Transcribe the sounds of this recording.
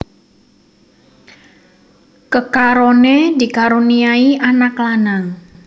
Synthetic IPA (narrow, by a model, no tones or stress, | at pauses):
kəkaɾoned̪ikaɾuniaiʔanaklanaŋ